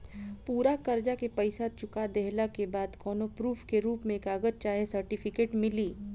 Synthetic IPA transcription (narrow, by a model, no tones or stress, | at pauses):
puːɾakɐɾd͡ʒakepɐɪsat͡ʃʊkad̪ɛɦlakebaːd̪kɔːnopɾuːpʰkeɾuːpmẽeːkaːɡət̪̚t͡ʃaːɦesɐɾʈɪfʰɪkeːʈmɪliː